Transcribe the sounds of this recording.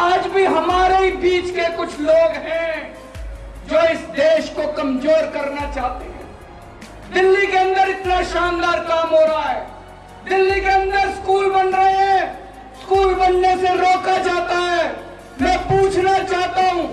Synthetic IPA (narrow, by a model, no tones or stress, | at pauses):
aːd͡ʒbʱiɦɐmaːɾeɦibiːt͡ʃkekʊt͡ʃʰloːɡɦɛ̃ | d͡ʒoːɪsd̪eːʃkokɐmzoːɾkɐɾnat͡ʃaːɦt̪eɦɛ̰̃ː | d̪ɪlːikeə̃nd̪əɾɪt̪naʃaːnd̪aːɾkaːmɦoːɾaaɦɛː | d̪ɪlːikeə̃nd̪əɾskuːlbənɾəɦeɦɛ̃ | skuːlbənːeseɾoːkad͡ʒaːt̪aɦɛː | mɛ̃ːpuːt͡ʃʰnat͡ʃaːɦt̪aɦũː